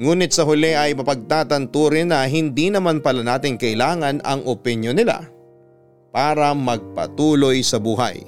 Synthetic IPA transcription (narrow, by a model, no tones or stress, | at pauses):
ŋuːnɪt̪̚sɐɦʊlɛʔɐjmɐpɐɡ̚t̪aːt̪ɐnt̪uːɾɪnːɐɦɪnd̪inɐmanpɐlɐnaːt̪ɪŋkɐʔɪlaːŋɐnɐ̰ŋʔopɪnjonɪla̰ | paːɾɐmɐɡ̚pɐ̰t̪uːlo̞jsɐbuːɦɐ̰j